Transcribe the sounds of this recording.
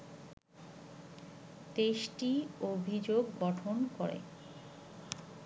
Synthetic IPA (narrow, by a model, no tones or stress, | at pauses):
t̪eʃʈiobʱid͡ʑoɡːɔʈʰonkɔɾḛ